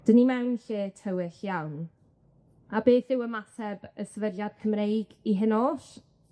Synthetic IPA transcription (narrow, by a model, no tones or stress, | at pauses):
d̥ənimɛwnɬeːtʰəwɪɬjawn | abeːθɪwəmasɛbəsəvədjad̥̚kʰəmrejɡiɦɪnoːɬ